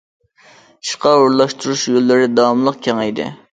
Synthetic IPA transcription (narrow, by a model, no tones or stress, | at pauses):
i̥ʃqɑuɾlˠɑʃt̪uɾuʃjolːɪɾɪd̪ɑɑmlˠəq̚kʲʰeŋɛjd̪ɪ̰